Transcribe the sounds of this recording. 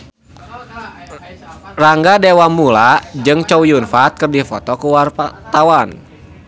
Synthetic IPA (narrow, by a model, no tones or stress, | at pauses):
raŋɡadɛwamulad͡ʒɨŋt͡ʃɔujunfat̪̚kɨrdifɔ̰t̪ɔkuwart̪awan